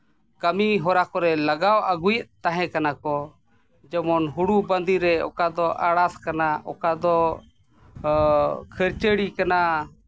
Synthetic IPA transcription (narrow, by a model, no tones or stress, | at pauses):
kəmiɦɔɾakɔɾɛlaɡawaɡujəʔt̪aɦɛ̃kanakɔ | d͡ʒəmɔnɦuɽubənd̪iɾɛɔ̰kad̪ɔʔaɽaskanaʔɔkad̪ɔ | kʰəɾt͡ʃəɽikana